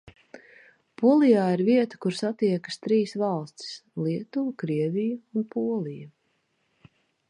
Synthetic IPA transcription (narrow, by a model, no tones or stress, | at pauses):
puɔlˠijaːiɾviɛt̪ə̥kuɾsat̪iɛkə̥st̪ɾiːsvɑlˠst̪i̥slˠiɛt̪uːkɾiɛvʲijuunpʰuɔlˠiju